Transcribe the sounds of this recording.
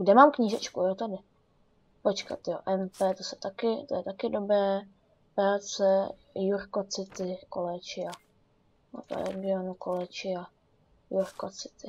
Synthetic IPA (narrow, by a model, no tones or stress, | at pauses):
ɡdɛmaːmkɲiːʒɛt͡ʃkujot̪adɪ | pot͡ʃka̰t̪joʔɛmpɛːt̪osɛ̥t̪akɪt̪ojɛt̪akɪdo̞bɾɛː | pɾaːt͡sɛ | juɾko̞t͡sɪt̪ɪkolɛt͡ʃɪa | o̰tɾɛ̰ɡɪonukolɛt͡ʃɪa | juɾkot͡sɪ̥t̪ɪ